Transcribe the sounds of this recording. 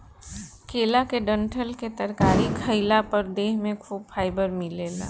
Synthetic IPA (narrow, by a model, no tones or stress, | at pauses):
keːlakeɖə̃ɳʈʰəlket̪əɾkaːɾikʰɐɪlapɐɾd̪eːɦmẽkʰuːb̚fʰaːɪbəɾmɪleːla̰ː